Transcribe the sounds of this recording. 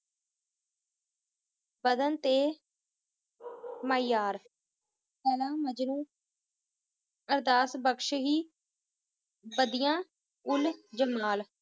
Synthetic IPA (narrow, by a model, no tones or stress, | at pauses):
bəd̪ənt̪eː | maːɪjaːɾ | pɛːlãːməd͡ʒnũː | əɾd̪aːsbəkʃɦiː | bəd̪ɪjãː | ʊld͡ʒəmaːl